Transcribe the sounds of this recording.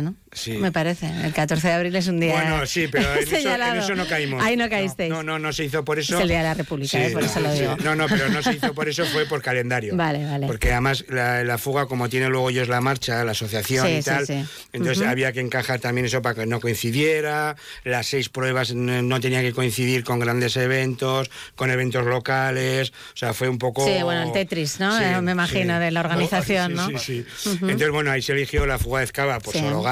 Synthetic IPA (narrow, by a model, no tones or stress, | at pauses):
no | simepaɾeθeḛlkat̪o̞ɾθeðeaβɾiles̬und̪iwenosipeɾoenesɲoalaðnessono̞kaimoainokaist̪ejnono̞noseiθo̞po̞ɾe̞solld̪iaðelarepuβliksaipɾesoloðiɣono̞no̞peɾonoseiθopoɾe̞s̬ofwe̞po̞ɾkale̞nd̪aɾjobaleβalepoɾkeaðemaslalafuɣ̞ako̞mot̪je̞nelwe̞ɣ̞oʝo̞zlamaɾt͡ʃalaːso̞θjaθjo̞nist̪alsi | ẽnt̪oθesaβ̞iake̞ːŋkaxaɾt̪amje̞ne̞sop̬ake̞no̞ko̞inθiðje̞ɾa | lasːe̞jspɾwe̞β̞aznno̞t̪̬e̞niake̞ko̞in̟θiðiɾko̞ŋɡɾand̪e̞se̞β̞e̞nt̪o̞sko̞ne̞β̞e̞nt̪o̞zlo̞kale̞s | oseafwe̞umpo̞ksoiβwent̪et̪ɾisnomemaxinoðelaoɾɣaniθaθjonːoisienoθezβwenoaiselixjo̞lafuɣaeθkaβapoɾsoloɣa